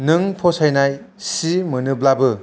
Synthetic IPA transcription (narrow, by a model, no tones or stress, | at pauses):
nɯŋpʰosajnaj | simɯnɯblabɯ